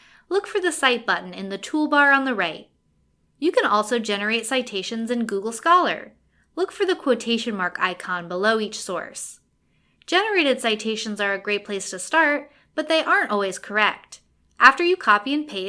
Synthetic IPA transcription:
lʊkfə˞ðɨsaɪt̚b̥ʌʔn̩ɨ̰̃nðɨtʰulˠbɑɹə̃nðɨɹaɪt̚ | jɨkɨ̃nɔlˠsoʊd͡ʒɛnə˞eɪtsaɪtʰeɪʃɨ̃nzɨ̃nɡuɡl̩ˠskɑlˠə̰˞ | lʊkfə˞ðɨkʰw̥oʊtʰeɪʃɨ̃nmɑɹka̰ɪkʰɑ̃nbəloʊit͡ʃsɔ̰ɹs | d̥ʒ̥ɛnə˞eɪɾɨd̥saɪtʰeɪʃɨ̃n̩zə˞ɨɡɹeɪt̚pʰl̥eɪstʰɨstɑɹt̚ | b̥ʌt̪̚ðeɪʔɑɹntɔlˠwiz̥kʰə˞ɛ̰k̚t | ʔæftə˞jɨkʰɑpiɨ̃npʰeɪ

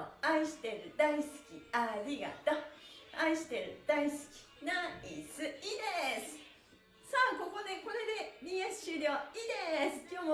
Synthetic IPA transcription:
oaiɕi̥t̪e̞ɾɯ̟d̪aisɨ̥kʲiaɾʲiɡa̰t̪oaiɕi̥t̪e̞ɾɯ̟d̪̥aisɨ̥kʲi̥naisɨid̪esɨ̥ | saːko̞ko̞d̪e̞ko̞ɾe̞d̪e̞dʲiesɨ̥ɕɨɾʲoːid̪e̞sɨ̥kʲo̞ːmo

